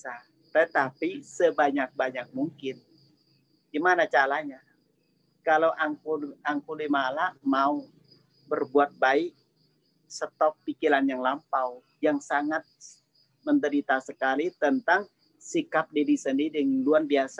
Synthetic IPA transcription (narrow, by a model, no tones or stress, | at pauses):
a | t̪ət̪apisəbaɲak̚baɲak̚muŋkɪn | ɡimanat͡ʃaɾaɲa | kalawʔaŋkuaŋkulimalamau | bərbuat̪̚baɪk̚ | sət̪ɔk̚pikiɾanjaŋlampau | jaŋsaŋat̪̚ | mənd̪əɾit̪asəkalit̪ənt̪aŋ | sikap̚didisəndiɾiluanbias